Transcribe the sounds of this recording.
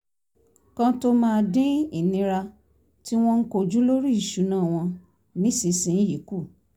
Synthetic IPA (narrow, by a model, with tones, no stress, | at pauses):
kã˧to˧mãː˦˧dĩ˦i˦˨nĩ˨˧ɾa˧ | ti˦w̃ɔ̃˦n̩˦ko˧˨d͡ʒu˦lo˦ɾi˦i˦˨ʃu˨˦nãː˦˨w̃ɔ̃˧ | nĩ˨˦si˨˧sĩ˨˦ji˨˦ku˦˨